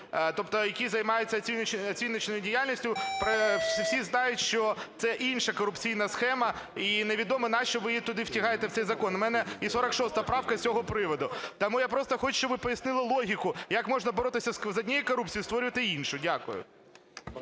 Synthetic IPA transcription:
t̪ɔpt̪ɔjɐkʲizɐjmɑjʊtʲt͡sʲːɐiɐt͡sʲinːɪt͡ʃnɔjʊdʲɪjalʲnʲisʲtʲjʊpewsʲiznɑjʊtʲʃt͡ʃɔt̪sɛʔinʃɐkɔɾʊpt͡sʲijn̪ɐsxɛmɐ | ineʋʲid̪ɔmɐnɑst͡ʃɔʋɪt̪ʊd̪ɪwtʲɐɦɑjet̪ɛw̪tsɛjzɐkɔnmɛnɛisɔɾɐkʃɔst̪ɐɐpɾɑwkɐsʲɔɦɔpɾɪʋɔd̪ʊt̪ɐmujapɾɔst̪ɔxɔt͡ʃʃt͡ʃɔbʋɪpɔjɐsnɪlˠɪlˠɔɦʲikʊjɐkmɔʒnɐbɔɾɔt̪ɪsʲɐszɐdʲnʲijikɔɾupt͡sʲijist̪ʋɔɾʲʊʋɐt̪ɪinʃʊdʲakʊ̰jʊ̰

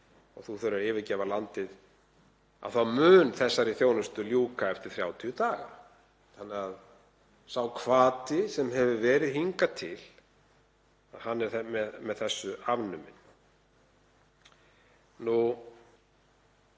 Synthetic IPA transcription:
ɔ̰ɣθuθœɾaɾɪːvɪcɛːvalant̪ɪð | a̰vθawmʏːnθɛsːaɾɪθjownʏst̪ʏljuːkaɛft̪ɪɾ̥θɾjaːwt̪ʰiʏt̪aːɣa̰ | θanːɛað | sawkʰvaːt̪ɪsɛmɦɛvʏvɛːɾɪðhiŋkat̪ʰɪl̥ | aðɦanːɛɾ̥θɛmɛðmɛðθɛsːʏavnʏmɪ̰n | nu

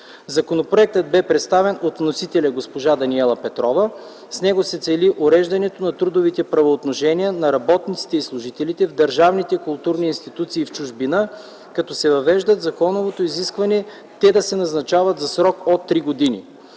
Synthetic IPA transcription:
zɐkonopɾoɛk̚t̪əd̪̚bɛpɾɛt̪st̪avɛnot̪vnosit̪ɛlʲɐɡospoʒad̪ɐniɛlˠɐpɛt̪ɾɔvə | snɛɡosɛt̪sɛliʔoɾɛʒd̪ɐnɛt̪onɐt̪ɾud̪ovit̪ɛpɾɐvoːt̪noʃɛniənɐɾɐbɔt̪nit̪si̥t̪ɛislˠʊʒit̪ɛlit̪ɛvd̪ɐɾʒavnit̪ɛkʊlˠt̪uɾniːnst̪it̪ut̪siːft͡ʃuʒbinə | kɐt̪ɔsɛvɐvɛʒd̪ət̪zɐkɔnovot̪oiziskvɐnɛ | t̪ɛd̪ɐsɛnɐznɐt͡ʃavɐt̪zɐsɾɔkot̪ːɾiɡod̪inḭ

